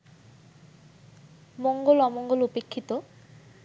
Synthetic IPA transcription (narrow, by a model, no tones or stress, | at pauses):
moŋɡolɔmoŋɡolupekʰːit̪o